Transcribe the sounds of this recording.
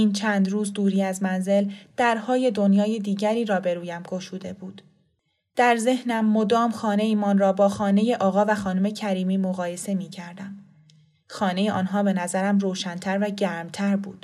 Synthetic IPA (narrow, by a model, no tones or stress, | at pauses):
iːnt͡ʃʰæːnd̪ɾuːzd̪uːɾiːæzmænze̞ld̪̥æɾhɒːje̞d̪o̞njɒːje̞d̪iːɟæɾiːɾɒːbe̞ɾuːjæmɡoʃuːd̪e̞buːd̪̥ | d̪̥æɾze̞hnæmːo̞d̪ɒːmxɒːne̞iːmɒnrɒːbɒːxɒːne̞je̞ʔɒːɣɒːvæxɒːnome̞cʰæɾiːmiːmo̞ɣɒːje̞se̞miːcʰæɾd̪æm | xɒːne̞jeʔɒːnɦɒːbe̞næzæɾæmroːʃænt̪ʰæɾvæɟæːɾmt̪ʰæɾbṵːd̪̥